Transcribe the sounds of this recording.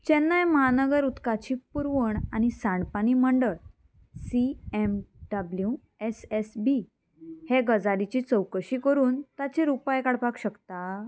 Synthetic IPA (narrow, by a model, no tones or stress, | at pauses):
t͡ɕɛnːajməɦanəɡəɾut̪kat͡ɕipuɾʋəɳañisãɳpaniməɳɖəɭ | siemɖablju | esesbi | heɡəd͡zalit͡ɕit͡səwkəɕikəɾuːnt̪at͡ɕeɾupajkaɽpakɕəkt̪a